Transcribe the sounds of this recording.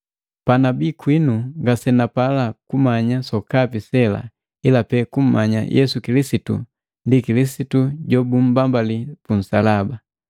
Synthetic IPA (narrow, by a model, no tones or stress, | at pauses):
panabikwinuŋɡasɛnapalakumaɲasɔkapisɛla̰ | ilapɛkum̩maɲa̰jʔɛsukilisitṵ | ndikilisituɟɔbum̩bambalipun̩salaba